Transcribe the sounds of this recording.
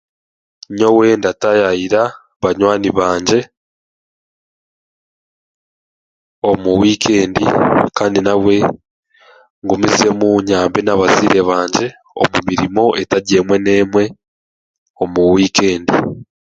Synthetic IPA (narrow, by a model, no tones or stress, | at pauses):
ɲo̞we̞ndatajajiɾa | βaɲwaːniβaːɲɟe̞ | omuwiːkʰe̞ːndikaːndinawe̞ | ŋɡomizie̞muɲaːmbenaβaziːɾe̞βaːɲɟe̞ | o̰mumiɾimo̞ʔetaɟe̞ːmwe̞ne̞ːmwe̞ | omuwiːke̞ːndi